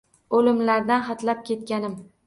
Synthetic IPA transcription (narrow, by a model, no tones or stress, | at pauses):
olɪmlaɾd̪anχɑt̪lap̚kʲʰe̞t̪kʲanɪm